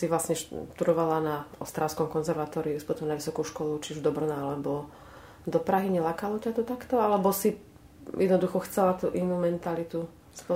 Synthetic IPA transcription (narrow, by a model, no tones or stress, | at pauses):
siʋlasɲɛʃt̪uɾɔʋalanaɔ̰st̪ɾalskɔmkɔnzɛɾʋat̪ɔːɾiuspɔt̪ɔmnaʋisɔkuʃkɔlut͡ʃiuʒd̪ɔbɾɔnaalɛbɔ | d̪ɔpɾaɦiɲɛlakalɔcat̪ɔt̪akt̪ɔalɛbɔsi | jɛd̪nɔd̪uxɔxt͡sɛlat̪uːʔinuːmɛnt̪alit̪u | spɔ